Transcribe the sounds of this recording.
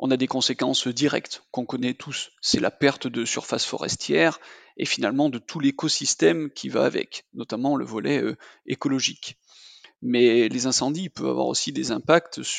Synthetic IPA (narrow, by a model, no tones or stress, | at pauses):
ʔɔ̃nad̪ekɔ̃sekɑ̃sd̪iʁɛ̰kt̪kɔ̃kɔnɛt̪ʰusːɛla̰pɛʁt̪d̪əsyʁfasfɔ̰ʁɛ̰st̪ʰjɛʁefinalmɑ̃d̪ət̪ʰulekɔsist̪ɛmkʲʰiva̰ːvɛ̰knɔt̪amɑ̃lə̰vɔlɛøekɔlɔʒik | mɛlezɛ̃sɑ̃d̪ipœva̰vwa̰ʁo̰sid̪ezɛ̃pakt̪s